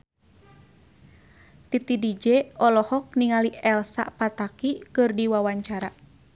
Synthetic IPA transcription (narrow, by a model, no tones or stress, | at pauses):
t̪it̪idid͡ʒɛɔlɔhɔk̚niŋaliɛlsa̰ʔpat̪akikɨrdiwawaɲt͡ʃaɾa